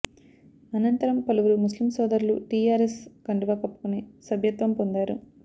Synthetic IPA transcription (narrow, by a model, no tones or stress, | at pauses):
ɐnɐnt̪ɐɾɐmpɐluʋuɾumuslimsɔːd̪ɐɾlṵʈiːjaːɾeskɐɳɖiʋaːkɐpːu̥kunesɐbʱjɐt̪ʋɐmpond̪aːɾu